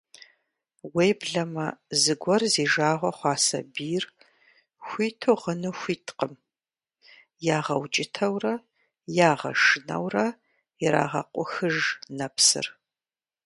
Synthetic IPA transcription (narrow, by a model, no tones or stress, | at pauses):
wejbɮɐmɐzɨɡʷɔrziːʒaːʁʷɐχʷɑːsɐ̰biːr | xʷiːtʰoʁənɨxʷiːtʰqəm | jaːʁɐwt͡ʃʼɪtʰɐwrɐ | jaːʁɐ̰ʂɨnɐ̰wrɐ | ɪɾa̰ːʁɐ̰qʷʼʊxɨʒnɐpsɨ̰r